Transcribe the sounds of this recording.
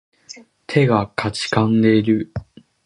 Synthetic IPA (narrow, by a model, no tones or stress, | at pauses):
t̪ʰe̞ɡakʰat͡ɕi̥kãnd̪e̞iɾɯ̟